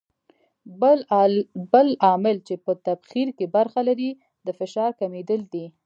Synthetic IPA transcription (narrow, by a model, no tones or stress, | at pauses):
bəlɑmɪlt͡ʃepət̪abxiɾkebaɾxalaɾi | d̪əfɪʃɑɾkamed̪əld̪i